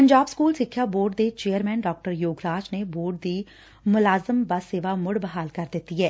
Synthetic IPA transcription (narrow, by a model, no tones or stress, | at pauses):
pəɲd͡ʒaːbskuːlsɪkʰːjaːboːɖd̪eːt͡ʃeːjəɾmɛ̃ːnɖɔːk̚ʈəɾjoːɡɾaːd͡ʒneboːɾɖ̚d̪iː | mʊlaːzəmbaseːʋaːmʊɽbəɦaːlkəɾd̪ɪt̪ːiːɦɛː